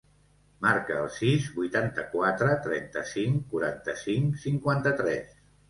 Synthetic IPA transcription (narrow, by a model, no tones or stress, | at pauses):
maɾkəːlˠsizbujt̪ant̪əkwat̪ɾət̪ɾɛ̰nt̪ə̰siŋkuɾa̰nt̪əsiŋsiŋkwant̪ət̪ɾɛ̰s